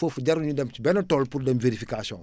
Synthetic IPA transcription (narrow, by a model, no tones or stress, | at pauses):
əfuɟɐɾuɲudɛmt͡ʃibɛnɐtɔːlpuɾdɛmveɾifikasiɔ̰̃ŋ